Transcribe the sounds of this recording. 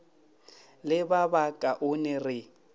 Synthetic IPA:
lɪbabakʼaʔʊnɛrɪ

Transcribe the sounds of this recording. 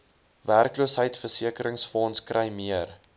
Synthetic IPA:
værkluəsɦəjtfərsiəkəɾəŋsfɔnskrʔɛjmiər

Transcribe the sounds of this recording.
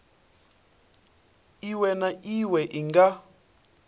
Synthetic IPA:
iwɛnaʔiwɛʔiŋɡa

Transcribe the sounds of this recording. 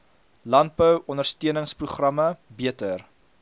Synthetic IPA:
lɐnt̚bəwɔndərstiənəŋspruχrɐməbiətər

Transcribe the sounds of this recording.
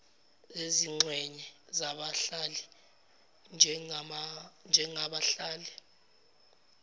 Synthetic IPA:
eziŋ͡ǀʱwɛɲɛzaɓaɬalɛ | nʱ | nd͡ʒʱɛŋaɓaɬaːlɛ

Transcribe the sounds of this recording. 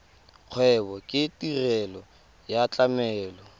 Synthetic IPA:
q͡χʰwɛβɔkʼɪtʼirɛlɔ | jat͡ɬʼamɛːlɔ

